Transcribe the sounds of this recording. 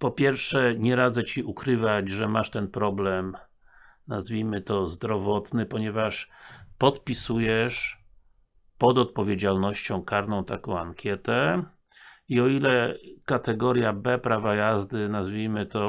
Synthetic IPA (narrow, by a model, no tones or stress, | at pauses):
pɔpʲjɛɾfʂɛɲɛɾad̪zɛt͡ɕiʔukɾɘvad͡ʑʐɛmaʂt̪ɛnpɾɔblɛm | nazvʲijmɘt̪ɔzd̪ɾɔvɔt̪nɘpɔɲɛvaʂpɔt̪pʲisujɛʂ | pɔd̪ɔt̪̚pɔvʲjed͡ʑalnɔɕt͡ɕɔ̃w̃kaɾnɔ̃w̃t̪akɔ̃w̃a̰ŋkʲjɛt̪ɛ | iɔilɛkat̪ɛɡɔɾjabɛpɾavajazd̪ɘnazvʲijmɘt̪ɔ